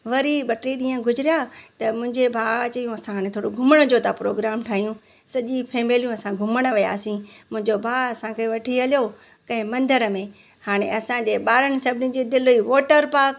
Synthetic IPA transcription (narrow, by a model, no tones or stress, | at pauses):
ʋɐɾiɓɐʈiɗĩːə̃ɡʱʊd͡ʑɪɾijat̪ɐmʊ̃ɪ̃ɲd͡ʑebʱaːt͡ɕɐjũɐsãɦaːɽ̃ẽt̪ʰoːɽoɡʱʊməɽ̃ə̆d͡ʑot̪ʰapɾo̰ːɡɾaːmʈʰaːɦijũ | sɐʄĩpʰeːmeːlijũɐsãɡʱʊməɽ̃ə̆ʋija̰ːsĩmʊ̃ɦɪ̃ɲd͡ʑobʱaːɐsãkeʋɐʈʰiɐljo | kɐ̃ɦɪ̃mɐ̃nd̪əɾəmẽ | haːɽ̃ḛ̃ɐsãd͡ʑeːɓaːɾəɽ̃ɪ̆sɐbʱɪnɪ̃d͡ʑeːd̪ɪlʊiʋoːʈəɾpaːk